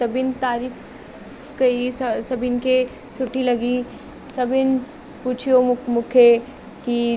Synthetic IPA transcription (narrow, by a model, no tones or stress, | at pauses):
t̪ɐbɪnt̪aːɾiːf | ɡɐisɐsɐbɪnke | sʊʈʰilɐɡi | sɐbɪn | puːt͡ʃʰijomʊkʰe | ki